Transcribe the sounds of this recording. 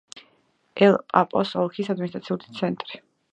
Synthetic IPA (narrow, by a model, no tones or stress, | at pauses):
ɛlˠpʼa̰pʼɔsɔlˠkʰisad̪minist̪ʼɾat̪sʰiulit̪sʰɛnt̪ʼɾi